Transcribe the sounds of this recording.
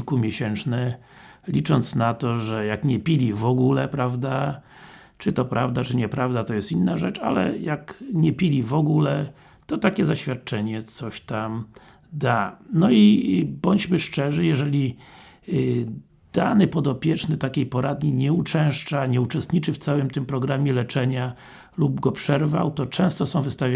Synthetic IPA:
lkumʲjeɕɛnt͡ʂnɛ | lʲit͡ʂɔnt̪snat̪ɔʐɛjakɲɛpʲilʲivɔɡulɛpɾavd̪a | t͡ʂɨt̪ɔpɾavd̪at͡ʂɘɲɛpɾavd̪at̪ɔjɛst̪inːaʐɛt͡ʂa̰lɛ̰jakɲɛpʲilʲivɔɡulɛ | t̪ɔt̪akʲɛzaɕfʲjat̪̚t͡ʂɛɲɛt̪sɔɕt̪am | d̪anɔibɔɲd͡ʑmɘʂt͡ʂɛʐɘjɛʐɛlʲi | d̪̥anɘpɔd̪ɔpʲjɛt͡ʂnɘt̪akʲejpɔɾad̪ɲiɲɛut͡ʂɛ̃w̃ʂt͡ʂaɲɛut͡ʂɛst̪ɲit͡ʂɘft̪sawɘmt̪ɘmpɾɔɡɾamʲjɛlɛt͡ʂɛɲa | lub̚ɡɔpʂɛɾva̰wt̪ɔt͡ʂɛ̃w̃st̪ɔsɔ̃w̃vɘst̪avʲa

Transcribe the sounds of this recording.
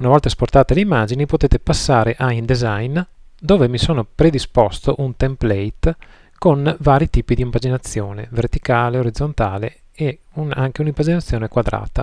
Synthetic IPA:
unavɔlt̪asport̪aːt̪eleimːaːd͡ʒinipot̪eːt̪epasːaːɾeʔaind̪ezajn | d̪oːvemisoːnopɾed̪ispɔst̪oʔunt̪emplɛjt̪ | konvaːɾit̪iːpid̪iːɱvad͡ʒinat̪sːjoːnevert̪ikaːleoɾid̪zːont̪aːle | euna̰ŋk̟eunimvad͡ʒinat̪sːjoːnekwad̪ɾa̰ːt̪a

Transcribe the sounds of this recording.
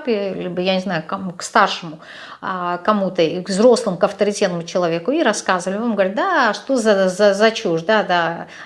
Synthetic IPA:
pʲɪlʲibɨjanʲɪznajʊkɐmukst̪arʂɨmʊ | kɐmut̪əiɡvzɾo̞slˠɨmʊkɐft̪əɾʲɪtʲet̪nəmʊt͡ɕɪlˠɐvʲe̞kʊiɾɐskazəvəlʲɪvamɡəvɐɾʲɪt̪̚d̪aʂt̪ozɐzɐzɐt͡ɕuʐd̪ad̪a

